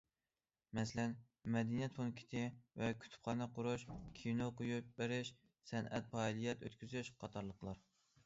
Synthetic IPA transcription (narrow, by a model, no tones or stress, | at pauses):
mɛslɛn | mɛd̪inijɛt̪̚fonkʲʰi̥t̪ʰɪvɛkʲʰy̥t̪ʰy̥p̚χɑːnɑqʰʊɾuʃkʲʰinoqojupbɪɾɪʃ | sɛnɛ̰t̪̚pɑːilˠijɛt̪ø̰t̪kʲyzyʃqʰɑt̪ʰɑɾlˠəqlˠɑɾ